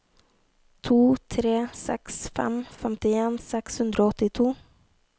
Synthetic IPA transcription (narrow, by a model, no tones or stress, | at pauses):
t̪ʰuːt̪ʰɾeːsɛ̰ksfɛ̰mfɛmt̪ɪeːnsɛkshʉnd̪ɾoːɔt̪ɪt̪ʰuː